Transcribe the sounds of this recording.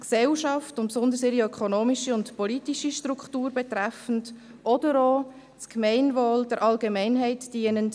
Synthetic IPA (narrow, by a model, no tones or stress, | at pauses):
ksɛlʃɑftʊmpsʊndəɾsɪɾiœkʰonoːmiʃiʊntpɔlitiʃiʃtrukχtuːɾbɛtrɛfən̩d | ʔɔdəɾoː | skmɛɪnvoːld̥əɾʔɑlɡemɛɪnɦɛɪtd̥iːənənt